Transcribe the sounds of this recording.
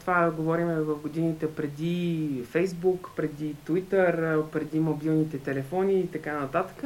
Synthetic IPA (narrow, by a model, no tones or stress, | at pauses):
t̪ovaɡovɔɾimɛvɐfɡod̪init̪ɛpɾɛd̪ifɛjzbukpɾɛd̪it̪vit̪əɾpɾɛd̪imobilˠnit̪ɛt̪ɛlɛfɔniːt̪ɐkanɐt̪at̪ə̥kə